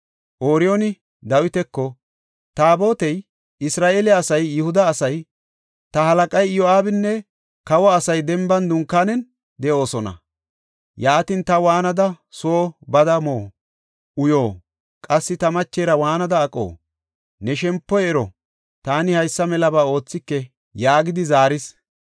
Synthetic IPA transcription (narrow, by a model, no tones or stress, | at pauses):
ʔoːɾɪjonɪ | d̪ɐwɪt̪ɛkːɔ | t̪aːbo̞ːt̪ɛj | ɪsɾaːʔeːlɪaːsɐjːɪhʊd̪ɐːsɐj | t̪ɐhɐlɐkʼɐjjɔaːbɪnːɛ | kɐwɐːsɐjd̪ɛmbɐnd̪ʊŋkːaːnɛn | d̪ɛʔo̞ːsɔnɐ̰ | jaːt̪iːnt̪ɐwaːnɐd̪ɐ | soːbɐd̪ɐmoː | ʔʊjoː | kʼɐsːɪt̪ɐmɐt͡ʃːeːɾɐwaːnɐd̪ɐːkʼo̰ː | nɛʃɛmpːɔjɛːɾɔ | t̪aːnɪhɐjsːɐmɛlɐbaːo̞ːt͡sːɪkːɛ | jaːɡɪd̪ɪzaːɾɪs